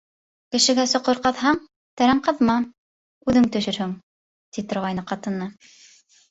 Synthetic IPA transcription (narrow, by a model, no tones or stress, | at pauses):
kɘ̆ʃɘ̆ɡæsŏqoɾqɑðɦɑɴ | t̪æɾæɴqɤ̆ðmɑ | ʉðɘŋt̪ɵ̆ʃɵ̆ɾhɵŋ | t̪it̪ŏɾʁɑjnɤqɑt̪ɤ̆nːɤ